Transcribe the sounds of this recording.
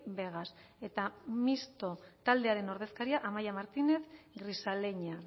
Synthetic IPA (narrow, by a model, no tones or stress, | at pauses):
be̞ɣ̞ase̞t̪amist̪o̞t̪ald̪e̞aɾe̞no̞ɾð̞e̞skaɾiaʔamajamaɾt̪ine̞θɡɾisale̞ɲa